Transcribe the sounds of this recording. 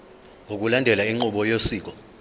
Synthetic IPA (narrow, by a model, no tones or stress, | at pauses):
ok̬ulandʱɛlaiŋ͡ǃuɓɔjosiːk̬ɔ